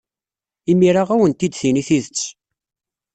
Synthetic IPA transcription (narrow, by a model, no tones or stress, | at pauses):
imiɾaʁæwənt̪id̪θiniθiðət͡sː